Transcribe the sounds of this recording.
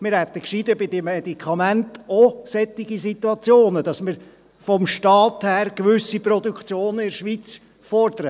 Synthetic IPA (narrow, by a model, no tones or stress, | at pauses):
mɪɾhɛt̪əkʃid̪əbɪd̪emɛdikʰɑmæntosɛt̪ːɪɡisit̪uɑt͡sjoːnəd̥ɑsmɪɾ | fɔmʃtɑːt̪hæːɾkʋʏsipɾɔd̪ukt͡sjoːnəɪɾʃʋiːt͡s | fɔrd̪əɾə